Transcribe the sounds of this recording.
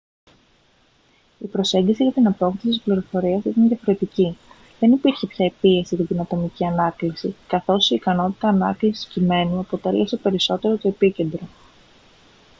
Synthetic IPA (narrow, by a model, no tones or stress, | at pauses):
ipɾo̞se̞ɲɟisiʝɐt̪inɐpo̞kðisit̪ːispliɾo̞fo̞ɾiɐsit̪ɐnðʝɐfo̞ɾe̞t̪ici | ðe̞nipiɾçe̞pçɐepie̞sit̪ɐd̪inɐt̪o̞miciɐnɐklisikɐθo̞siːkɐno̞t̪i̥t̪ɐːnɐklisi̥scime̞nuɐpo̞t̪e̞lesepe̞ɾiso̞t̪e̞ɾo̞t̪o̞e̞pice̞nd̪ɾo̞